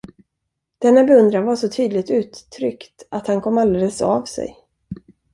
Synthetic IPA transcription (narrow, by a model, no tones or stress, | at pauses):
d̪̥ɛnːabɛɵnd̪ɾanvaʂɔt̪ʰyːd̪lɪɡt̪ʉ̟ːt̪ʰːɾʏkt̪at̪hankʰɔmːald̪eːləsa̰vsɛ̰j